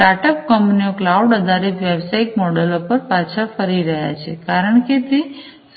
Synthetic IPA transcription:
aʈəp̚kəmpnioklauɖəd̪ʱaɾit̪ʋebsaiʈ̚mɔɽəlopəɾpat͡ʃʰafəɾiɾəɦja̰t͡ʃʰḛkaɾəɳket̪e | s

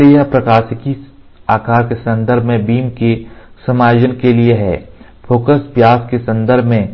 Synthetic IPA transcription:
ɾiapɾɐkaːsɪki | aːkaːɾkesɐ̃nd̪əɾbʱmẽbiːmkesɐmaːjoːd͡ʒənkelieɦɛ̰ː | fʰoːkəspjaːskesɐ̃nd̪əɾbʱmẽ

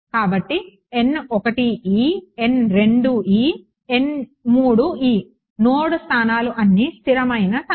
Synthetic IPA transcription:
kaːbɐʈːi | e̞nɔkɐʈiiːe̞nɾe̞ɳɖuiː | e̞nmuːɽuiː | noːɽust̪ʰaːnaːluʔɐnːist̪ʰiɾɐmɐjnɐt̪

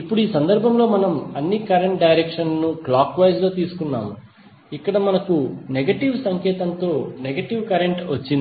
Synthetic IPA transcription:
ipːuɽuiːsɐnd̪ɐɾbʱɐmlo̞ːmɐnɐmɐnːikɐɾeɳʈ̚ɖɐjɾekʂɐnnuklaːkʋɐjd͡ʒlo̞ːt̪iːsu̥kunːa̰ːmu | ikːɐɽɐmɐnɐkuneɡɐʈiʋsɐŋkɛːt̪ɐnt̪o̞ːneɡɐʈiʋkɐɾeɳʈʋɐt͡ʃːind̪i

